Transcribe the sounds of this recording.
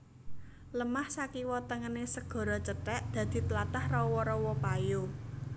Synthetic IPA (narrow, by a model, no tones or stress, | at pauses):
ləmahsakiwɔt̪əŋənesəɡ̥ɔ̤ɾɔt͡ʃətɛʔd̪̥ä̤d̪̥i̤t̪əlat̪ahrɔwɔɾɔwɔpajo